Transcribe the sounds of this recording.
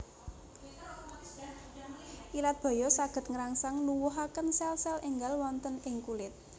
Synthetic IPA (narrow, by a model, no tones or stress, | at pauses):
ʔilat̪̚b̥ɔ̤jɔsaɡ̥ə̤t̪̚ŋəɾaŋsaŋnuwʊɦakənsɛlsɛlɪŋɡalwɔnt̪ənɪŋkulɪt̪̚